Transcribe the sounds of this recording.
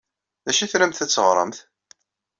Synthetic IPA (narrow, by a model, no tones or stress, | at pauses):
ðæʃiθɾæmθæt͡sːəʁɾˤə̰mθ